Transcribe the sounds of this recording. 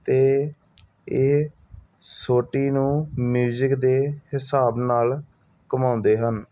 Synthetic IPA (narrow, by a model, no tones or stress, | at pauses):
t̪eː | eː | soːʈiːnũːmjuːzɪkd̪eːhɪsaːbnaːl | kəmãːʊnd̪eːɦən